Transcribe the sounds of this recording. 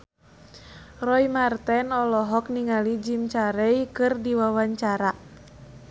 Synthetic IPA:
rɔjmart̪ɛnɔlɔɦɔk̚niŋalid͡ʒimt͡ʃaɾɛjkɨrdiwawaɲt͡ʃaɾa

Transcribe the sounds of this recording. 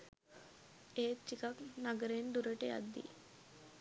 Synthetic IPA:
et͡ɕikaknaɡɾenɖ̪uɾəʈea̰d̪ːḭ

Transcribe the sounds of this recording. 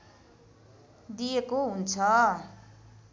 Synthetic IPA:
d̪ijekoɦunt͡sʰʌ

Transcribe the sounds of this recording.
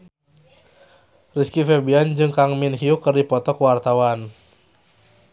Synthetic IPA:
riskifɛbiand͡ʒɨŋkaŋminɦiukɨrdipɔt̪ɔkwart̪awan

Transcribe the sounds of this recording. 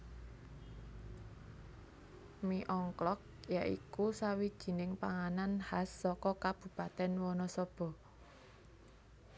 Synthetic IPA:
miʔɔŋklɔk̚jaʔḭkusawid̥ʒ̥i̤nɪŋpaŋananhasːɔkɔkab̥ṳpat̪ɛnwɔnɔsɔb̥ɔ̤

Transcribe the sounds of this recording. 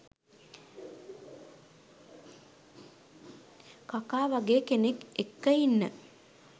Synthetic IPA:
kakaːʋaɡeːkenekekːəjinːə

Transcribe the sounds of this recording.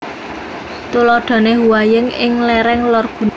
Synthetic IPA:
t̪ulɔɖ̥ɔ̤neɦuwajəŋɪŋlɛɾɛŋlɔrb̥ṳn

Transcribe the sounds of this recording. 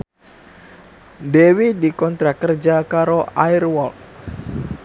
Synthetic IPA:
dewidikɔnt̪ɾakərd͡ʒakaɾoairwɔl

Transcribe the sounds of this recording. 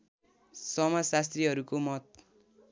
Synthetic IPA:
sʌmʌsast̪riɦʌɾukomʌt̪̚

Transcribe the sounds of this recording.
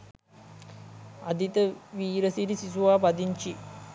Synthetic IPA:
ad̪it̪əʋiːɾəsiɾisisuʋaːpad̪iɲt͡ʃi

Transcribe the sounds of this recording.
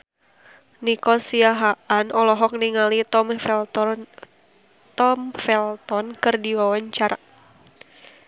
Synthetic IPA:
nikɔsiaɦaʔanɔlɔɦɔk̚niŋalit̪ɔ | t̪ɔmfɛlt̪ɔnkɨrdiwawaɲt͡ʃaɾa

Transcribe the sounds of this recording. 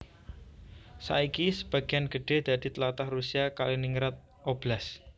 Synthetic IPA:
sa̰ikisəb̥ä̤ɡ̥ianɡ̥əɖ̥e̤hd̪̥a̤d̪̥i̤t̪əlat̪ahrusiakaliniŋɾat̪̚ | ob̥las

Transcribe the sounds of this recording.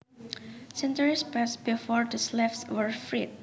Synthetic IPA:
sɛ̃ntəɹispɛsbifɔɹdəslɛfswəɹfɹit̚

